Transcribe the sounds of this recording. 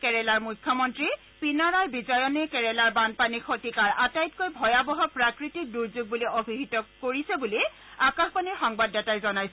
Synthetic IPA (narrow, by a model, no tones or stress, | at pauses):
kɛɹɛlaɹmujkʰːjɔmɔntɹi | pinaɹaɹbizɔjɔnɛkɛɹɛlaɹbanpanixotikaɹʔatajt̚kojbʱɔjabɔɦɔpɹakɹitik̚duɹzuɡ̚buliobʱiɦitɔkoɹisɛbuli | akaxpaniɹxɔŋbadːɛtajzɔnajsɛ